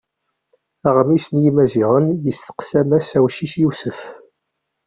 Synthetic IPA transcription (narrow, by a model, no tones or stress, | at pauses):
æʁmisənjimæziʁənjəsθə̥qsæmæsæwʃiʃjisəf